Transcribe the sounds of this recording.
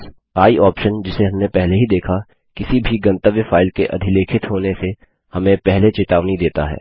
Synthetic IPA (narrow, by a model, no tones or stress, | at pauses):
aːiʔɔːpʃənd͡ʒɪseɦɐ̃mnepɛɦleɦid̪eːkʰa | kɪsibʱiɡɐ̃nt̪əʋjəfaːɪlkeʔɐ̰d̪ʱɪleːkʰɪt̪ɦoːnese | hɐmẽpɛɦlet͡ʃɪt̪aːʋnid̪eːt̪a̰ɦɛ̰ː